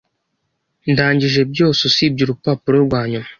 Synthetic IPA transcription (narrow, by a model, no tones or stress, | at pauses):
ndaːɲd͡ʒiʒeb̚iosusib̚d͡ʒiɾupapuɾoɡʷaɲɔm